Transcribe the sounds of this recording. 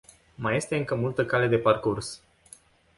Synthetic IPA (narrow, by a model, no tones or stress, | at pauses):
maje̞st̪e̞ɨŋkəmult̪əkale̞d̪e̞parkurs